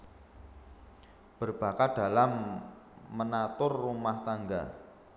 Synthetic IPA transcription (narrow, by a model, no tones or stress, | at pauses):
b̥ərb̥a̤kaɖ̥a̤lamː | ənat̪ʊrːumaht̪aŋɡa̰